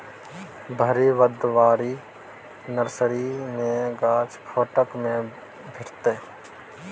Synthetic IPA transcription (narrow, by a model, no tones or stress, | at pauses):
bʱəɾiʋəd̪ʋaːɾi | nəɾsɾimẽɡaːt͡ʃpʰoːʈəkmẽ | bʱɪʈt̪eː